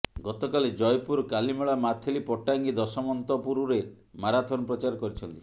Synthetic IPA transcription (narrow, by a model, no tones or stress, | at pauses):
ɡɔt̪ɔkaled͡ʒɔjpuɾkalimeɭamat̪ʰelipɔʈaŋɡid̪ɔsɔmɔnt̪ɔpuɾuɾe | maɾat̪ʰɔnɔpɾɔt͡ʃaɾɔkɔɾit͡ʃʰɔnt̪i